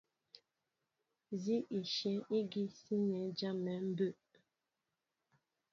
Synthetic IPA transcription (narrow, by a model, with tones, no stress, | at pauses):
zi˦ʔi˨ʃɛ˨˦i˦ɡi˦si˦nɛ˨˦d͡ʒa˦mɛ˨˦m̩˦bə˦˨ʔ